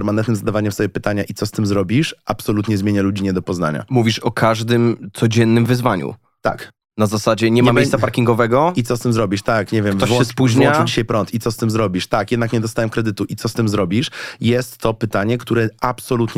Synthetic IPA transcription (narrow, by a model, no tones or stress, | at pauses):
ɾmanɛnt̪nɘmzad̪avaɲɛmsɔbʲjɛpɘt̪aɲaʔit̪ɔst̪ɘmzɾɔbʲiʂʔapsɔlut̪ɲɛzmʲjeɲalud͡ʑiɲɛd̪ɔpɔzna̰ɲa̰muvʲiʂɔkʰaʐd̪ɘmt̪sɔd͡ʑɛnːɘmvɘzvaɲṵ | t̪a̰k | nazasad͡ʑɛɲɛmamejsapaɾkʲiŋɡɔvɛɡɔit̪sɔst̪ɘmzɾɔbʲiʂt̪akɲɛvʲjɛmvt̪ɔwɔɛspuʑɲwɔ̃nat͡ʂɛd͡ʑiɕajpɾɔnt̪it̪sɔst̪ɘmzɾɔbʲiʂt̪akjɛd̪nakɲɛd̪ɔst̪awɛmkɾɛd̪ɘt̪uʔit̪ɔst̪ɘmzɾɔbʲiʂjɛst̪ːɔpɘt̪aɲɛkt̪uɾɛapsɔlut̪ɲ